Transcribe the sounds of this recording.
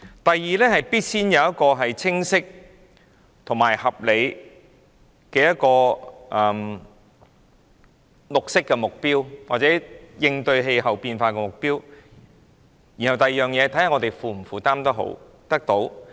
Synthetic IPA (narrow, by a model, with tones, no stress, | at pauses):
t̪ɐ˨jːiː˨lɛː˥ɦɐ˨jpiː˥t̚siː˥njɐ˨˧wjɐ˥t̚kɔː˧ɦɐ˨jt͡sʰɪ˥ŋsɪ˥k̚ | t̪ʰʊ˨˩ŋmaː˨˩jhɐ˨p̚le˨˧j | kɛː˧jɐ˥t̚kɔː˧ʔɐ˨m | lʊ˨k̚sɪ˥kːɛ˧mʊ˨k̚piː˥wwaː˨t̚t͡sɛː˨˥jɪ˧ŋt̪ɵ˧ɥɦe˧jɦɐ˨˩wpiː˧nfaː˧kɛː˧mʊ˨k̚piː˥w | ji˨˩nhɐ˨˩wt̪ɐ˨jiː˨jœː˨ŋjɛː˨˧t̪ʰɐ˨˥jhɐ˨˩ŋɔ˨˧t̪e˨jfuː˨˧m̩˨˩fuː˨˩t̪aː˥mt̪ɐ˥k̚ɦo̰˨˥w | t̪ɐ˥k̚t̪o˨˥w